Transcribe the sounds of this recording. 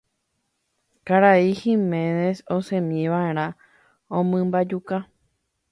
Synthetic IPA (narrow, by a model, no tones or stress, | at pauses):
kaɾaihĩmẽnesosẽmĩʋaeɾ̃ã | õmɨ̃mbad͡ʒuka